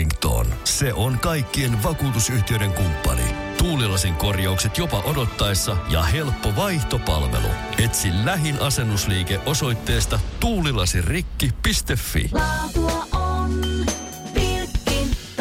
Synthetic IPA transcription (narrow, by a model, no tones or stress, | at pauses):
ŋkt̪o̰nse̞ʔonkɑjkːie̞nʋɑkuːt̪usyht̪iøjɾe̞ŋkumpːɑ̰nḭ | t̪uːlilɑsiŋko̞rjɑukse̞t̪jo̞pɑʔo̞do̞t̪ːɑesːɑjɑ̰he̞lpːoʋɑjht̪o̞pɑ̰lʋe̞̰lṵ | e̞t̪sillæɦinʔɑse̞nːusliːkeʔo̞so̞jt̪ːe̞ːst̪ɑt̪uːlilɑsirrikːipist̪e̞fːḭtuɑon | pii